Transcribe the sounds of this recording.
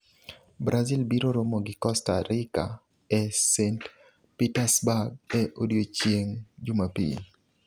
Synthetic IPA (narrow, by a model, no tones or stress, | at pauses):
bɾʔazilbiɾoɾomoɡɪkɔstaɾika̰ | ɛsent | pitasbaɡɛʔodjot͡ʃjeŋd͡ʒumapḭn